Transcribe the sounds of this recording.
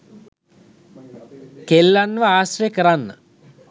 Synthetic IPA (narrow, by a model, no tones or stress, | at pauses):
kelːanːʋəaːsrəjəkəɾanːə